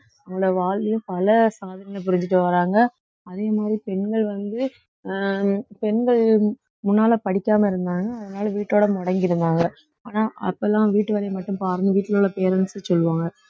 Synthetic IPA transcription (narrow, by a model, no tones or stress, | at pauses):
ɐʊŋɡɐɭɐʋaːɭɐjʊ̃pɐlɐsaːðɐɾɐŋɐp̬ʊɾɪɲd͡ʒɪʈːɯʋɐɾaːŋɡɐ | ɐðeːmaːd̪ɾipɛɳɡɐɭʋɐnd̪ɯ | pɛɳɡɐɭ | mʊnːaːlɐpɐɽɪkʲːaːmɐɪɾɯnd̪aːŋɡɐːðɐnaːlʋiːʈːoːɽɐmɔɽɐŋɡɪɾɯnd̪aːŋɡɐ | aːnaːɐ̰pːoɛlːãːʋiːʈːɯʋɐɾɐɪmɐʈːɯ̃mpaːɾɐnɯʋiːʈːɪlɔɭːɐpeːɾɐnsɯsɔlːɯʋaːŋɡɐ